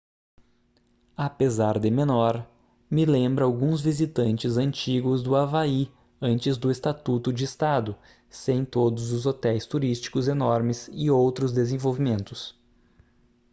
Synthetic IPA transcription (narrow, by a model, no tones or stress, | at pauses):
apezaɾd̪ɪmẽnɔɾ | mɪlẽmbɾɐawɡũzvizit̪ɐ̃nt͡ʃɪzɐ̃nt͡ʃiɡʊzd̪ʊavai | ɐ̃nt͡ʃɪzd̪ʊest̪at̪ut̪ʊd͡ʒɪːst̪ad̪ʊ | sẽj̃t̪od̪ʊzʊzot̪ɛjst̪uɾist͡ʃi̥kʊzenɔɾmɪsɪowt̪ɾʊzd̪ezẽvowvimẽnt̪ʊs